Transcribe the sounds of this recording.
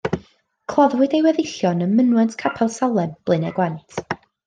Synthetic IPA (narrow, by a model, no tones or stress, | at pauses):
kʰl̥ˠɔðwɪdewɛðɪɬjɔnənmənwɛntʰkʰapʰalˠsalˠɛnb̥lˠɨnɛɡwɛntʰ